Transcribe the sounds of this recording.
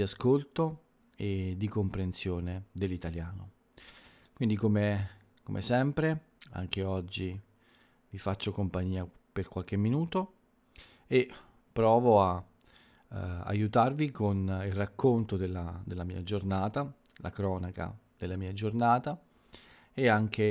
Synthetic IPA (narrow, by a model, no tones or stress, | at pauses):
d̪iaskolt̪o | ed̪ːikompɾensjoːned̪elːit̪aljaːno | kwind̪ikome | komʔḛsɛmpɾe | a̰ŋk̟eɔd͡ʒːi | vifat͡ʃːokompaɲːiːa | perkwalk̟emːinuːt̪o | e | pːɾɔːvoa | a̰jut̪arvikonilrakːont̪od̪elːad̪elːamḭːa̰d͡ʒornaːt̪a | la̰kɾɔːnaka̰ | d̪̥elːamiːad͡ʒornaːt̪a | eaŋk̟e